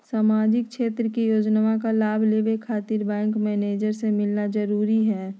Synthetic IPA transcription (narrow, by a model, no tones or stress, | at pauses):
saːmaːd͡ʒɪk̚ʃeːt̪ɾəkijoːd͡ʒnaʋakalaːbʱleːʋekʰaːt̪iːɾbɛ̃ːŋkmɛːneːd͡ʒəɾsemɪlnad͡ʒəɾuːɾiɦɛː